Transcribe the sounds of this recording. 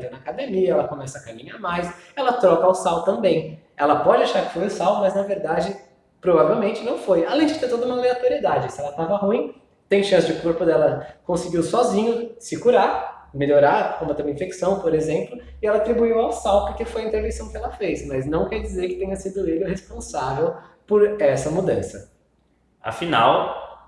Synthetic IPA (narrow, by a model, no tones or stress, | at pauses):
d̪enɐːkad̪emiɐɛlɐkomɛsɐːkamĩɲaɾmajsɛlɐt̪ɾɔkɐːwsawt̪ɐ̃mbẽj̃ | ɛlɐpɔd͡ʒɪaʃaɾkɪ̥fojʊsawmɐznɐveɾd̪ad͡ʒɪ | pɾovavewmẽnt͡ʃɪnɐ̃w̃fojalẽj̃d͡ʒɪt̪eɾt̪od̪ɐũmɐleat̪oɾied̪ad͡ʒɪsɪɛlɐt̪avɐɦũj̃ | t̪ẽj̃ʃɐ̃sɪd͡ʒɪʊkoɾpʊd̪ɛlɐkõsɪɡiwsɔzĩɲʊsɪkuɾaɾmeʎoɾaɾkõmʊt̪ɐ̃mɐĩfeksɐ̃w̃poɾezẽmplʊ | ɪɛlɐat̪ɾibuiwawsawpʊɾkefojɐĩnt̪eɾvẽsɐ̃w̃kɪɛlɐfejsmɐznɐ̃w̃kɛɾd͡ʒizeɾkɪ̥t̪ẽjɲɐsid̪ʊelʊhespõsavew | poɾɛsɐmud̪ɐ̃sɐ | a̰fina̰w